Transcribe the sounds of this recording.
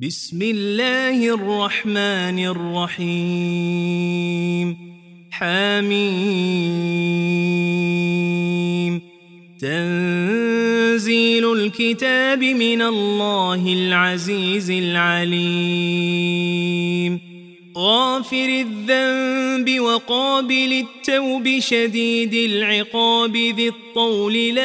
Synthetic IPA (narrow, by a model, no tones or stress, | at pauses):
bɪsmɪlːaːhɪʔrˤːɑħmaːnɪrˤːɑħiː | m | ħaːmiː | m | t̪an | ziːlʊlkɪt̪aːbɪmɪnalːɑːhɪlʕaziːzɪlʕali | m | ɣɑːfɪɾɪðːambɪwɑqɑːbɪlɪt̪ːawbɪʃad̪iːd̪ɪlʕɪqɑːbɪðɪt̪ˤːɑwlɪla